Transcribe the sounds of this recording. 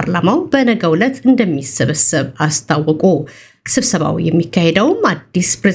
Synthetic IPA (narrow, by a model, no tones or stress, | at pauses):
ɾlamawb̥ənəɡəwlət̪ʰɨnd̪əmːisɨβəsɨβast̪ʰawːɔkʼo̥ | sɨβsəβa̰w̰jɛmːikʰːahed̪əwmad̪ːispɾe